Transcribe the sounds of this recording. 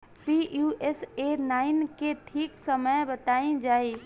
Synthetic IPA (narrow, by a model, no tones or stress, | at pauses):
pijuesenaɪnkeʈʰiksəməjbət̪aĩd͡ʒai